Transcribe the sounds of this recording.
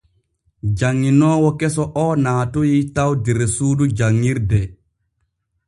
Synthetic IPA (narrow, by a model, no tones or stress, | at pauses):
d͡ʒaŋːinɔːwɔkɛsɔʔɔnaːtujitawdɛɾɛsuːdud͡ʒaŋːiɾdɛ